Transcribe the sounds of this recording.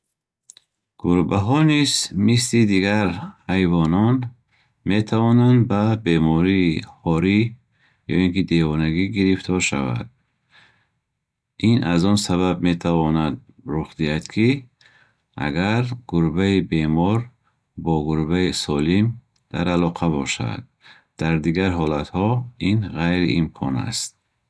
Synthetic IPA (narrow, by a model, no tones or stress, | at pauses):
ɡ̥uɾbaɦɔnizmislid̪iɡaɾhajvɔnɔn | me̞t̪ʰavɔnand̪babe̞mɔɾiːhɔɾi | jɔ̰iŋkid̪evɔnaɡiɡiɾift̪ʰɔɾʃa̰va̰d̪̥̚ | ʔinazɔnsaβabme̞t̪ʰavɔnad̪̚ | ɾuχd̪iad̪kʰi | ʔa̰ɡaɾɡ̥uɾbaibe̞mɔɾ | bɔɡuɾbaisɔlim | d̪̥a̰ɾalɔqʰabɔʃa̰d̪̥̚ː | aɾd̪iɡaɾɦɔlat̪hɔinʁajɾiimkʰɔna̰st̪̚